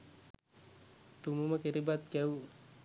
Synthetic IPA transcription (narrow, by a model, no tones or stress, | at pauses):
t̪umumakiɾibat̪̚kau